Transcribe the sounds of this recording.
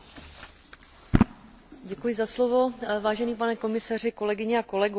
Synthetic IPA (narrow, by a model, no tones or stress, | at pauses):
ɟɛkujɪzaslovo̞vaːʒɛniːp̬anɛko̞mɪsar̝ɪko̞lɛɡɪɲɛako̞lɛɡu